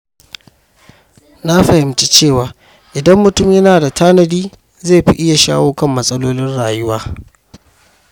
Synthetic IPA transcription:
na˦ɸɐ˨hɪ˨mt͡ʃi˦t͡ʃeː˦˨waː˨ | ʔɪ˨dɐ˦mːʊ˨tʊ˦mjɐ˦naː˨da˨tʰaː˦nɐ˨diː˦ | ze˦˨ɸḭ˦ʔɪ˦ja˨ʃa̰ː˦woː˦kɐ˦mːɐ˦sʼɐ˦loː˦lɪ˦nɽaː˨jʊ˦waː˦

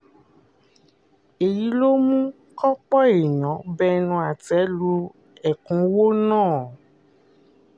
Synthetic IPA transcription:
e˨ji˨˦lo˦mũ˦ | kɔ˦k͡pɔ˦e˨ɲɔ̃˨˦bɛ˦nũ˧a˨tɛ˨˦lu˧ | ɛ˨kũ˨˦wo˦nãː˦˨

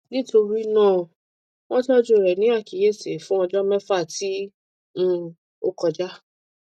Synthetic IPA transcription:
nĩ˦to˧ɾi˦nãː˦˨ | w̃ɔ̃˦tɔ˦d͡ʒo˦˨ɾɛ˨nĩ˨˦a˦˨ki˨je˦˨se˨fũ˦ɔ˧d͡ʒɔ˦mɛ̃˦fa˦˨tĩ˨˦ | o˦kɔ˧d͡ʒa˦

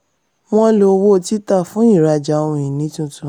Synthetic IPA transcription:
w̃ɔ̃˦lo˧wo˦˨ti˦ta˦˨fũ˨˦i˦˨ɾa˧d͡ʒa˧ũ˧ĩ˨nĩ˨˦tũ˦tũ˦˧˦

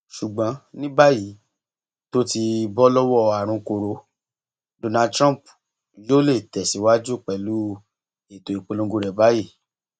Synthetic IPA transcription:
ʃu˨ɡ͡bã˨˦nĩ˦ba˦ji˨˦ | to˦ti˧bɔ˦lɔ˦wɔ˦a˨ɾ̃ũ˧ko˧ɾo˨˦ | do˨nã˧˨tɾã˦˨p | jo˦le˦˨tɛ˨si˨˦wa˦d͡ʒu˦˨k͡pɛ˨lu˨˦ | e˨to˨i˨k͡po˨˧lõ˧˦ɡu˧ɾɛ˨ba˦ji˦˨

